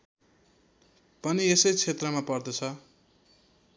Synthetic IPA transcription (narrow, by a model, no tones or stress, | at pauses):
pʌniesʌjt͡sʰet̪rʌmapʌrd̪ʌt͡sʰʌ